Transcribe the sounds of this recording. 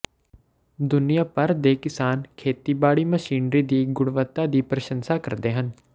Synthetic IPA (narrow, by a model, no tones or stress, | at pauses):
d̪ʊnijaːpəɾd̪eːkɪsaːnkʰeːt̪iːbaːɽiməʃiːnɾid̪iːɡʊɽʋət̪ːad̪iːpɾəʃə̃nsakəɾd̪eːɦən